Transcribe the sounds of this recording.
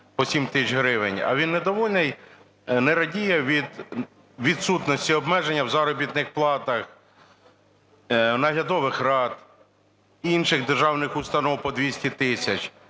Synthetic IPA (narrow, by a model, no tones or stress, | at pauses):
pɔsʲimt̪ɪt͡ʃɦɾɪʋɪnʲɐ̰ʋʲinːɛd̪ɔʋɔlʲnɪj | nɛɾɐdʲijɛʋʲid̪ | ʋʲid̪sut̪nɔsʲtʲiɔbmɛʒenʲːɐwzɑɾɔbʲit̪nɪxplˠɑt̪ɐx | nɐɦlʲɐd̪ɔʋɪxrɑt̪ | inʃɪɣd̪erʒɑwnɪxʊst̪ɐnɔwpɔd̪ʋʲisʲtʲit̪ɪsʲɐt͡ʃʲ